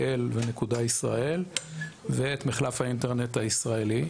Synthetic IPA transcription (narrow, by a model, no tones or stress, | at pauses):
elvenekudaisʁa̰ʔe̞lveet̪miχlafhaint̪eʁnet̪aisʁaeli